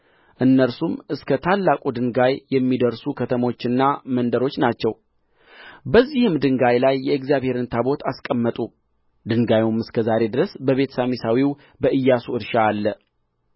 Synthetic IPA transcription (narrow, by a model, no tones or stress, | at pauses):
ʔɨnːəɾsumɨskʰət̪ʰalːakʼud̪ɨŋɡajjɛmːid̪əɾsukʰət̪ʰəmo̞t͡ʃːɨnːamənd̪əɾo̞t͡ʃːnat͡ʃːɛw | bəzːihɨmd̪ɨŋɡajlajːɛɪɡzjaβhe̞ɾɨnt̪ʰabo̞t̪ʰaskʼəmːət̪ʼu | d̪ɨŋɡajumɨskʰəzaɾe̞d̪ɨɾəsbəβe̞t̪ʰsamisawiw | bəʔɨjːasuɨɾʃaːlːə